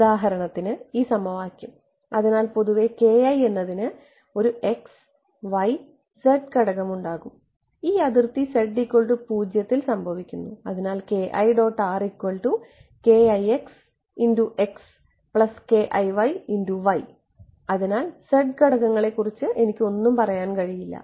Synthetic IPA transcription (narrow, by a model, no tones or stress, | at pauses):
uðaːɦɐɾɐɳɐt̪ːinɨiːsɐmɐʋaːkʲjum | ɐðinaːlpo̞ðuʋe̞ke̞ːɐje̞nːɐðinɨ | o̞ɾue̞ks | ʋɐj | seɖkɐɽɐɣɐmuɳɖaːɣum | iːɐðirt̪ise̞ɖikʲːo̞ɭʈupuːd͡ʑjɐt̪ːilsɐmbʱɐʋikʲːunːuɐðinaːlke̞ːʔɐjɖo̞ːʈːaːrikʲːo̞ɭʈu | ke̞ːɐjeks | induʔe̞ks | pɭɐske̞ʔɐjʋɐjinduʋɐj | ɐðinaːlse̞ɖkɐɽɐɣɐŋːɐɭe̞kːurit͡ɕːɨʔe̞nikʲːo̞nːumpɐrɐjaːnkɐɻijilːɐ̰